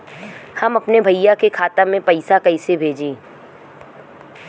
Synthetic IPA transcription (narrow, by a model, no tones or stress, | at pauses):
hɐmɐpnebʱɐɪjakekʰaːt̪amẽpɐɪsakɐɪsebʱeːd͡ʒẽː